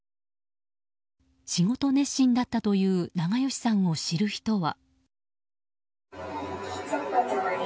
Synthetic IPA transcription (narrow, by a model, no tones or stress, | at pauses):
ɕiɡo̞t̪o̞ne̞ɕĩnd̪at̪ːat̪o̞jɯ̟ːnaɡajo̞ɕi̥sãɰ̃o̞ɕiɾɯ̟çi̥t̪o̞βa